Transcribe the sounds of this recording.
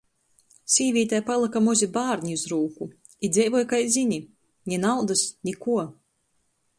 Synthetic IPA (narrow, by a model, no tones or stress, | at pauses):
sʲiːvʲiːt̪ajpalˠɨkamɔzʲibaːɾɲʲiuzɾuːku | id̪zʲɛjvɔjkajzʲiɲi | ɲʲɛnawd̪asɲʲikuɔ